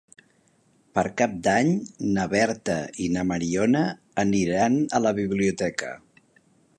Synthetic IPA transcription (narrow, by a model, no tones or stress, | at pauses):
pəɾkap̚d̪aɲnəβɛɾt̪əinəməɾiɔnəː | niɾanələβiβliut̪ɛkə̰